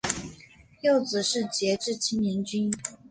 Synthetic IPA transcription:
jo˥˩ʊt͡sɹ̩˨˩ʂɻ̩˥˩t͡ɕjɛ˧˥ʈ͡ʂɻ̩˥˩t͡ɕʰi˥ŋnɛ˧˥nt͡ɕy˥n

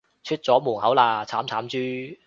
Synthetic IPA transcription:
t͡ʃʰyː˥t̚t͡sɔː˨˥muː˨˩ŋhɐ˨˥wlaː˧t͡sʰaː˨˥mt͡sʰaː˨˥mt͡ʃyː˥

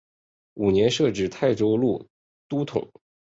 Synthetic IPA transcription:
u˨˩njɛ˧˥nʂɤ˥˧˩ʈ͡ʂɻ̩˥˩t̪ʰa˥˩ɪʈ͡ʂo˥ʊlu˥˩ | t̪u˥t̪ʰʊ̰˨˩˦ŋ

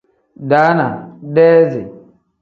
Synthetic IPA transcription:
da˨˦na˨dɛː˦zḛ˨

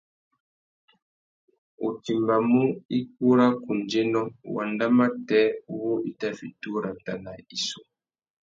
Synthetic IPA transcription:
u˨ti˨mba˨mu˦i˦ku˦ɾa˦ku˨nd͡ʒe˦nɔ̃˦wa˨nda˦ma˦tɛ˦wo˦i˦ta˦fi˨tu˦ɾa˨ta˨na˨i˨so˨

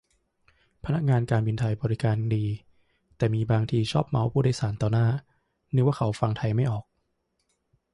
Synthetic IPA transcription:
pʰa˧na˦˥k̚ŋaː˧nkaː˧nbi˧nt̪ʰa˧jbɔː˧ɾi˦˥kaː˧ndiː˧ | t̪ɛː˨˩miː˧baː˧ŋt̪ʰiː˧t͡ɕʰɔː˥˩p̚ma˧˦˥wpʰuː˥˩aː˥˩jsaː˩˦nt̪ɔː˧naː˥˩ | nɯ˥˦waː˥˩kʰa˩˦wfa˧ŋt̪ʰa˧jma˥˩jʔɔː˨˩k̚

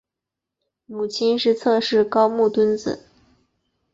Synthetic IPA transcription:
mu˨˩t͡ɕʰi˥nʂɻ̩˥˧t͡sʰɤ˥˧ʂɻ̩˥˩kɑ˥ʊmu˥˩t̪wə˥nt͡sɹ̩̰˨˩˦

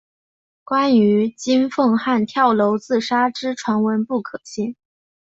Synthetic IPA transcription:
kwa˥ny˧˥t͡ɕi˥nfɤ˥˧ŋxa˥˩nt̪ʰjɑ˥˩ʊlo˧˥ʊt͡sɹ̩˥˩ʂa˥ʈ͡ʂɻ̩˥ʈ͡ʂʰwa˧˥nwə˧˥npu˥˩kʰɤ˨˩ɕi˥˩ŋ

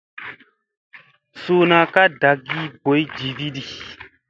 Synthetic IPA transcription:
soː˦na˨ka˦da˨ɡi˦bo˨˦jd͡ʒi˨vi˦di˨

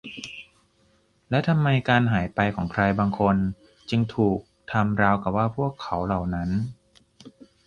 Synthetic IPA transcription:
lɛ˦˥wt̪ʰa˧mːa˧jkaː˧nɦaː˩˦jpa˧jkʰɔː˩˦ŋkʰɾa˧jbaː˧ŋkʰo˧n | t͡ɕɯ˧ŋt̪ʰuː˨˩k̚t̪ʰa˧mɾaː˧wka˨˩p̚waː˥˩pʰu˥˩əkʰːa˩˦wla˨˩wna˦˥n

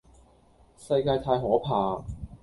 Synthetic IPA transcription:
sɐ˧jkaː˧jt̪ʰaː˧jɦɔː˨˥pʰaː˨˩

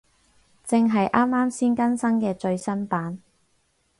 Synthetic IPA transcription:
t͡sɪ˨˧ŋɦɐ˨jʔaː˥mːaː˥msiː˥nkɐ˥nsɐ˥ŋkɛː˧t͡ʃɵ˧ɥsɐ˥npaː˨˥n

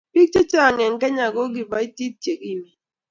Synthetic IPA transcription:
pi˦k̚t͡ʃe˦t͡ʃa˦a˨ŋɛ˨ŋ̩˨kɛ˦ɲa˨ɡo˦ɡ̬i˨ba˨˦i˦ti˦t͡ʃe˨ki˦mi˨

